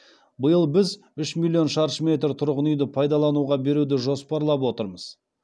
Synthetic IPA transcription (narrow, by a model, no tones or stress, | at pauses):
bəjəlˠbɪz | ʏʃmilʲːijo̞nʃɑɾʃmʲe̞t̪ɾt̪ʰʊɾʁənijd̪ɪpʰɑjd̪ɑlˠɑnuʁɑbe̞ɾud̪ɪʒo̞spɑɾlˠɑp̬wo̞t̪əɾməz̥